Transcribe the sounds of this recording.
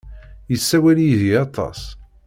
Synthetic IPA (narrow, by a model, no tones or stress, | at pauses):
jəsːæwæljiðiɑt̪ˤɑ̰s